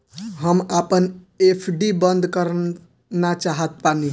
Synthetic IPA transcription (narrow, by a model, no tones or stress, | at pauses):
ɦəmapən | epʰɖibənd̪ʱkəɾ | nat͡ʃaɦət̪̚pani